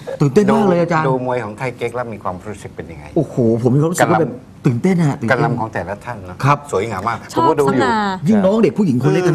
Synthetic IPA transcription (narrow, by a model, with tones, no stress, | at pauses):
t̪ɯː˨˩nt̪e˥˩nmɔː˥˩k̚lɤː˧jʔaː˧t͡ɕaː˧doː˧mu˧əjkʰɔː˨˩˦ŋt̪ʰa˥˩ke˦˥k̚laː˦˥˩miː˧kʰwaː˧m˧˦ɾu˦˥sɯ˨˩k̚pe˧nja˧ŋːa̰˧jʔoː˧˩hʰoː˨˩pʰo˩˦mi˧a˦˥ɾu˦˥˧kwːbɛː˨˩p | t̪ɯː˨˩nt̪e˥˩nʔa˨˩t̪ɯː˨a˧la˧˥˧mkʰɔː˩˦t̪ɛː˨˩la˦˥t̪ʰa˥˩nːɔ˦˥kʰɾa˦˥˩p̚su˩˦əjŋaː˨˦maː˥˩k̚o˨˧˦kɔː˥˩dːu˨jɯ˥˧˩ŋnɔː˦˥ŋde˨˩k̚ʰuː˥˩ji˩˦ŋkʰo˧lːkːa˧a˧˥˩